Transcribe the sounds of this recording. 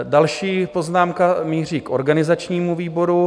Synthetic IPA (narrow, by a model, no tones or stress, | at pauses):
dalʃiːpo̞znaːmkamiːr̝iːkʔo̞̰ɾɡanɪzat͡ʃɲiːmuviːbo̞ɾu